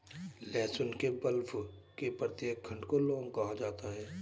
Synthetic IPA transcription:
lɛːsʊnkebəlfkepɾət̪jeːk̚ɡʰʱə̃ɳɖkoloːŋkɐɦad͡ʒaːt̪aɦɛː

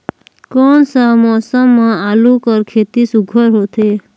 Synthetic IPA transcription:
kɔnsamɔːsəmːãaːlũkəɾkʰet̪isuɡʱəɾɦot̪ʰeː

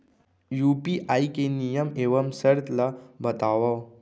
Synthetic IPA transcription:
jupiʔaikenijəmeʋəmsəɾt̪labət̪aʋa

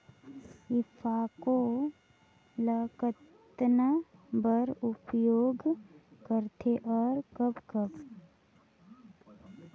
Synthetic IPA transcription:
ɪpʰaːko | ləkət̪ | nəbəɾʊpjoːɡkəɾt̪ʰeʔɔːɾkəpkəb

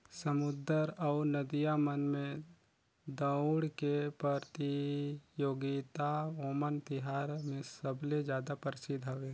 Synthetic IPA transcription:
səmʊd̪əɾaːɾnəd̪ijamənmẽ | d̪əʊɽkepəɾt̪ijoːɡit̪aoːmənt̪ɪɦaːɾmẽsəbled͡ʒjaːd̪apəɾɪsɪd̪ʱɦɐʋeː

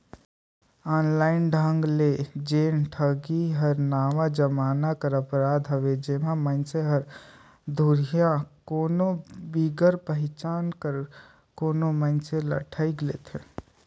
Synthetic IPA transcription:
ɔːnlaːɪnɖʱãŋɡled͡ʒeːnʈʰəɡiɦəɾnaːʋad͡ʒəmaːnakəɾəpɾaːd̪ʱɦəʋed͡ʒemãmə̃nseɦəɾ | d̪ʱuɾjãkoːnobiːɡəɾpəɦɪt͡ʃaːnkəɾ | koːnomənselə̰ʈʰəiɡleːt̪ʰeː

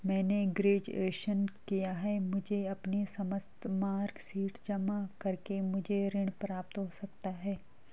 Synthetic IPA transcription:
mɛ̃ːneɡɾeːd͡ʒeːʃənkijaɦɛːmʊd͡ʒʱeɐpnisɐməst̪maːɾɡsiːʈd͡ʒɐmakɐɾkemʊd͡ʒʱeɾɪɽ̃pɾaːp̚t̪ɦosɐkt̪aɦɛː

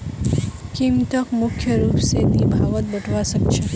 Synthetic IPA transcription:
kimt̪əkmʊkʰjəɾupsenibʱaʋət̪̚bəʈʰʋaʃəkt͡ʃʰe

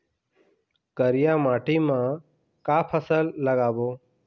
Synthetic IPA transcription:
kəɾɪjaːmaːʈʰiːmãː | kaːpʰəsəlːəɡaːboː

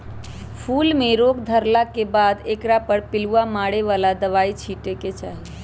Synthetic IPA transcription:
pʰuːlmẽɾoːɡd̪ʱəɾlakebaːd̪eːkɾapəɾpɪluamaːɽeʋaːlad̪əʋaːit͡ʃʰiːʈeket͡ʃaːɦi

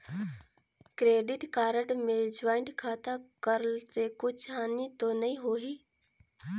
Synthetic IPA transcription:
kɾeːɖɪʈkaːɾəɖmed͡ʒaːɪ̃ɳʈkʰaːt̪akəɾlsekʊt͡ʃʰɦaːnit̪onəĩɦoːɦiː

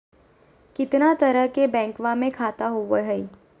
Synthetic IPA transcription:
kɪt̪nat̪əɾəɦkebɛ̃ːŋkʋamẽkʰaːt̪aɦoʋəɦəi

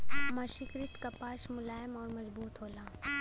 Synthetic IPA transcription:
mãːʃɪkɾɪt̪kɐpaːʃmʊlaːjmɔːɾmɐzbuːt̪ɦoːlaː

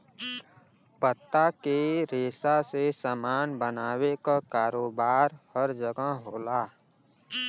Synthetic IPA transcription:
pət̪ːakeɾeːsasesəmaːnbənaːwekakaːɾoːbaːɾhəɾd͡ʒəɡəɦɦoːlaː

